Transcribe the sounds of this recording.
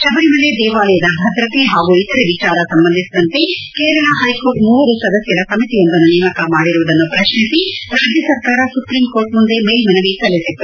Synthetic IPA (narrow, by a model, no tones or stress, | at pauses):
ʃɐbɐɽimɐled̪ɛːʋaːlɐjɐd̪ɐbʱɐd̪ɾɐt̪eɦaːɡuit̪ɐɾeʋit͡ʃaːɾɐsɐmbɐnd̪ʱisid̪ɐnt̪e̞keːɾɐɭɐɦɐjkoːɾʈmuːʋɐɾusɐd̪ɐsjɐɾɐsɐmit̪ijond̪ɐnːunɛːmɐkɐmaːɽiɾuʋɐd̪ɐnːupɾɐʃnisiɾaːd̪ʱjɐsɐɾkaːɾɐsupɾiːmkoːɾʈmund̪emeːlmɐnɐʋisɐlːisit̪ːu